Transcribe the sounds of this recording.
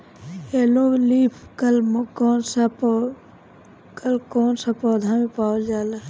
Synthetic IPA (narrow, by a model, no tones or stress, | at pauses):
eːloːliːpʰkɐlmkoːnsap | kɐlkoːnsapɔːd̪ʱaːmipaːld͡ʒaːla